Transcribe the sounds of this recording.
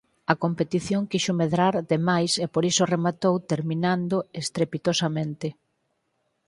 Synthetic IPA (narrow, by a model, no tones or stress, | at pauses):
ɐkompet̪iθjoŋkiʃomeðɾaɾðemajsepoɾisoremat̪owt̪eɾmĩnand̪oest̪ɾepit̪osamẽnt̪ɪ